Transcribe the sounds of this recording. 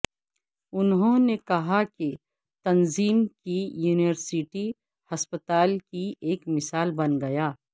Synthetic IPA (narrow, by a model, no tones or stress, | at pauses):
ʊnɦõnekɐɦake | t̪ɐnziːmkijuːnɪʋəɾsɪʈi | hɐspət̪aːlkieːkmɪsaːlbɐnɡɐjaː